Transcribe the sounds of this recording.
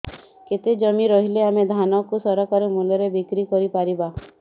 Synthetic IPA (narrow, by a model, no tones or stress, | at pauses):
ket̪ed͡ʒɔmiɾɔɦileamed̪ʱanɔkusɔɾɔkaɾemulɔɾebikɾikɔɾipaɾiba